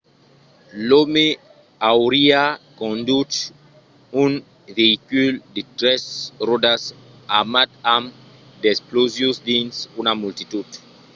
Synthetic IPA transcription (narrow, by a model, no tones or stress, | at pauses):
lome | awɾiakõnd̪ut | un | veikyld̪it̪ɾesrod̪as | amat̪am | d̪esplozjusd̪ĩnsunamult̪it̪ud̪